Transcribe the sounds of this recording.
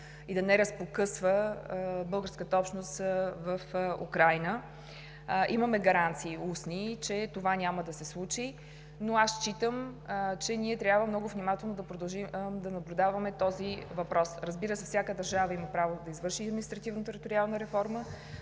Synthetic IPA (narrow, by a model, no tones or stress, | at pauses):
id̪ɐnɛɾəspokɤsvə | bɤlˠɡəɾskət̪əɔpʃnost̪vəfṵkɾajnə | ʔiməmɛɡɐɾant̪siːusnit͡ʃɛt̪ovanʲaməd̪ɐsɛslˠut͡ʃi | noast͡ʃit̪əmt͡ʃɛnʲiɛt̪ɾʲjabvəmnɔɡʊvnʲimat̪ɛlˠnod̪ɐpɾod̪ɐlˠʒid̪ɐnɐblʲʊd̪avɐmɛt̪ɔzivɐpɾɔsɾəzbiɾəsɛfsʲjakəd̪ɐɾʒavəiməpɾavod̪ɐizvɤɾʃiɐd̪minist̪ɾɐt̪ivnot̪ɛɾit̪oɾialˠnəɾɛfɔɾmə